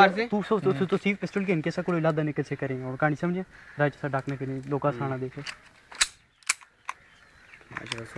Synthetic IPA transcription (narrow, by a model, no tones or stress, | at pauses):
t̪uːsot̪ːt̪osiːfpɪsʈəlkeːmkeːsãːkoːɽelaːd̪aːnɪkəlsʰeːkəɾẽːoːkaːɽ̃iːsəmd͡ʒẽːɾaːt͡ʃəsãːɖaːknãkəɾẽloːkãːsaːɽ̃ãːd̪eːkʰeː